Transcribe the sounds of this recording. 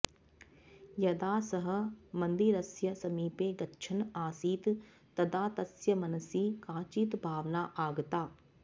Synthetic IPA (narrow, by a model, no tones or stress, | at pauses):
jɐd̪aːsɐɦɐ̆mɐ̃nd̪iɾɐsjɐsɐmiːpeːɡɐtːʃʰɐnaːsiːt̪ | t̪ɐd̪aːt̪ɐsjɐmɐnɐsiːkaːt͡ʃiːt̪bʱaːʋnaːʔaːɡt̪aː